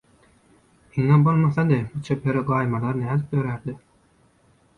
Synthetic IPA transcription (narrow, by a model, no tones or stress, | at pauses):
hiŋebolˠmɑθɑd̪ebut͡ʃʰepʰeɾiɡɑːjmɑlˠɑɾnæːlk̚d̪øɾæɾd̪ɪ